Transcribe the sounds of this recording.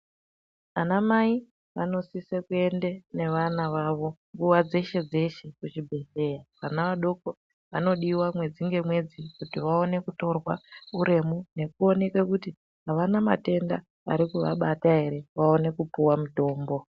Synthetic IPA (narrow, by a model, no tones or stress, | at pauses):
anamai | ʋa̰no̞sisekue̞ndene̞ʋanaʋaːʋo̞ŋɡuʋad͡ze̞ʃe̞d͡ze̞ʃe̞kut͡ʃibʱe̞ɬe̞jakanaʋaɗo̞ko | ʋano̞ɗiwamwe̞d͡ziŋɡe̞mwe̞d͡zikutiʋao̞ne̞kuto̞rwauɾe̞mune̞kuo̞ne̞kwekuti | ɦaʋanama̰te̞nda | a̰ɾikuʋa̰ɓataɦe̞ɾe̞ʋao̞ne̞kupuwamuto̞ːmbo̞